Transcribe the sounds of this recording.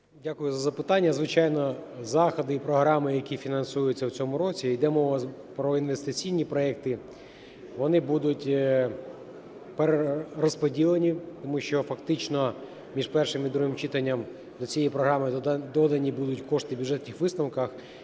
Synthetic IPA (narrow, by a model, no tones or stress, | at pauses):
dʲakʊjʊzɐzɐpɪt̪ɑnʲːɐzʋɪt͡ʃɑjnɔzɑxɐd̪ɪpɾɔɦɾɑmɪjɐkʲifʲinɐnsujʊt͡sʲːɐwt͡sʲɔmʊɾɔt͡sʲijd̪ɛmɔʋɐ | pɾɔinʋe̞st̪ɪt͡sʲijnʲipɾɔɛk̚t̪ɪ | ʋɔnɪbud̪ʊtʲ | peɾeɾɔspɔdʲilˠenʲit̪ɔmuʃt͡ʃɔfɐkt̪ɪt͡ʃnɔ | mʲiʃpɛrʃɪmid̪ɾuɦɪmt͡ʃɪt̪ɐnʲːɐm | d̪ɔt͡sʲijɛjpɾɔɦɾɑmɪd̪ɔd̪ɐnʲibud̪ʊtʲkɔʂt̪ɪbʲjʊdʐɛt̪ʲnʲɪxʋɪsnɐwkɐx